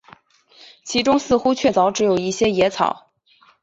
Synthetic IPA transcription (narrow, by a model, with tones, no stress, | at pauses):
t͡ɕʰi˧˥ʈ͡ʂʊ˥ŋsɹ̩˥˧xu˥t͡ɕʰɥɛ˥˩t͡sɑ˧˥ʊʈ͡ʂɻ̩˧˥jo˨˩ʊi˥˩ɕjɛ˥jɛ˧˥t͡sʰɑ̰˨˩˦ʊ